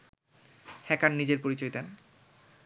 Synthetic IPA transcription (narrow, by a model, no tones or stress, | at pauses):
hɛkannid͡ʑeɾpoɾit͡ɕojt̪en